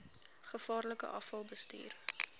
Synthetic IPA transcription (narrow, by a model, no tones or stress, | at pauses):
χəfɑːrləkə̰ʔɐfɐlˠbəsty̰ːr